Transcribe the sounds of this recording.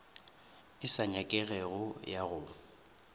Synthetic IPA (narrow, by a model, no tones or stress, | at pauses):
ɪsaɲakʼɛɣɛɣʊjaɣʊ